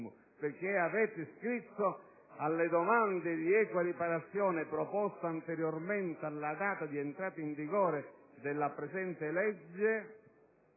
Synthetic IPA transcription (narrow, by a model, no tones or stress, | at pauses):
mʊ | pɪrk̟ːeavɛːt̪ɪskɾit̪ːo | alːed̪ɔmand̪ɪd̪iɛːkwaɾipaɾat̪sːjɔːnɪpɾɔpɔst̪aant̪ɛɾjormɛnt̪ealːad̪aːt̪ad̪iɛnt̪ɾaːt̪aiɱviɡɔːɾe | d̪ɪlːapɾɛsɛnt̪ɪlɛd͡ʒːe